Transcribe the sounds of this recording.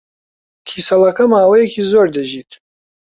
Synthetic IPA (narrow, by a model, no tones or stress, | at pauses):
kʲʰisalakʰamaːwajekʰʲizordaʒitʼ